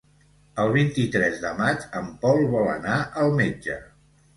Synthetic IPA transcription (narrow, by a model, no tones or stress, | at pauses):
əlˠβ̞int̪it̪ɾɛzðəmad͡ʒəmpɔlˠβɔlə̰naʔəlˠmed͡ʒə̰